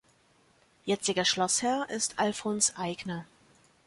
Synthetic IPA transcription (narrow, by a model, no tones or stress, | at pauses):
jɛt͡sɪɡɐʃlɔshɛɐʔɪstʔalfonsʔaɪɡnɐ